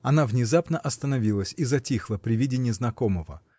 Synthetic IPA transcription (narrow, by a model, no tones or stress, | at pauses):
ɐnavnʲɪzapnəʔɐst̪ənɐvʲilˠəsʲizɐtʲixlˠəpɾʲɪvʲidʲɪnʲɪəznɐko̞məvə̰